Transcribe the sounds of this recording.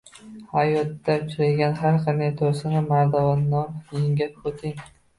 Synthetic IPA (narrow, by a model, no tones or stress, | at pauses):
hajɒt̪ːat͡ʃʰɪɾaɡʲanɦaɾqɑnd̪ajt̪ʰoɾsɪnɪmaɾd̪avanːɒɾjɪŋɡʲat̚ot̪ʰɪŋ